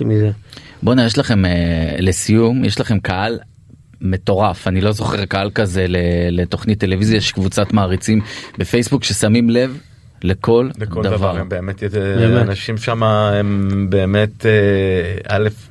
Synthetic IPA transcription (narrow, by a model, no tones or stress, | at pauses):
mizebonajeʃ̬laχe̞melesijumjeʃlaχe̞mkaʔal | me̞t̪o̞ʁafanilo̞zo̞χe̞ʁkaalkaze̞le̞let̪o̞χnit̪ːe̞levizjaʃe̥kvut͡sat̪maːʁit͡simbe̞fejsbukʃe̞samimle̞v | le̞ko̞lledkoldadavaʁembeːmet̪jɛeenaʃimʃamaembe̞ːmet̪eʔalef